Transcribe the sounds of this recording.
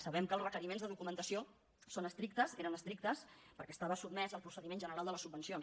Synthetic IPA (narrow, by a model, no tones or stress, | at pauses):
səβɛmkəːlˠrəkəɾimenzðəðukumənt̪əsio | sonəst̪ɾik̚t̪əseɾənəst̪ɾik̚t̪əspəɾkɛːst̪aβəsub̚mɛzəlˠpɾusəðimenʒənəɾalˠd̪ələsub̚ːənsion